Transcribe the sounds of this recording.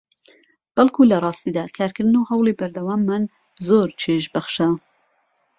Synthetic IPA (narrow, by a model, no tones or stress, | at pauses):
b̥ɐlˠkʰuːlɐrˤɑːst̪iːd̪aːkʰaːɾkɨɾd̪ɨnuɦɐwlˠibɐɾd̪ɐwɑːmːan | zoɾt͡ʃʰeʃbɐxʃa